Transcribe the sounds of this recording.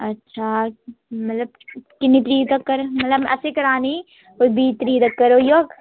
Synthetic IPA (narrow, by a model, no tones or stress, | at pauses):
ɐtːʃʰa | mɐt̪ləb̚kɪnːit̪ɾiːt̪ɐkːɐɾmɐt̪ləbɐ̰sekɐɾaːni | kobiːt̪ɾiːt̪ɐkːɐɾojok